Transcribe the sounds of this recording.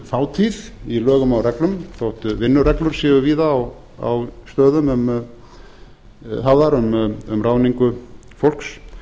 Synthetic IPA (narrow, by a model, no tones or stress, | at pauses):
faːwt̪ʰiðilœːɣʏmawrɛklʏmθowht̪ʏvɪnːʏɾɛklʏɾ̥sɛːvʏviːðaːw | a̰wst̪œːðʏmʏm | haðaɾʏmʏmraːwniŋkʏ | fowl̥ks